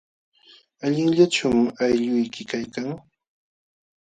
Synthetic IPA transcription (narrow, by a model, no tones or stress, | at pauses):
aʎɪŋʎat͡ʃamajʎʊjkɪkajkaŋ